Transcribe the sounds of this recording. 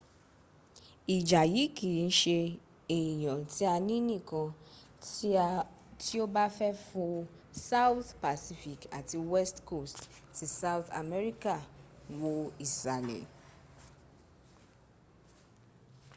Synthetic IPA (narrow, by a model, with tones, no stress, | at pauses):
i˨d͡ʒa˨ji˨˦kʰi˨n̩˦ʃe˧ | e˨jɔ̃˨ti˦a˧nĩ˦nĩ˦˨kɔ̃˧ | ti˦o˦ba˦fɛ˦fʊ̃˦ | sa˦wθpa˨si˦fi˨ka˨ti˨wɛ˦stko˦˨stti˨sa˦ʊ˦θa̰˨me˦ɾi˦ka˨wo˦i˨sa˨nḛ˨